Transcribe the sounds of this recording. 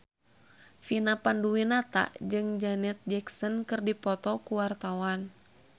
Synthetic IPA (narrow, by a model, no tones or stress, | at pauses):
finapanduinat̪a̰d͡ʒɨŋd͡ʒanɛt̪̚d͡ʒɛksɔnkɨrdipɔt̪ɔkuwart̪awan